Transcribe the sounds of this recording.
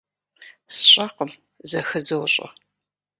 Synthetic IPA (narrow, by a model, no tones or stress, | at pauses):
sɕʼɐqəm | zɐxɨzɐwɕʼɐ̰